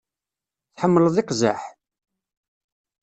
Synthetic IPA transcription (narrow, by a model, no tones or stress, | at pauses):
θħəmːələðˤɪqza̰ħ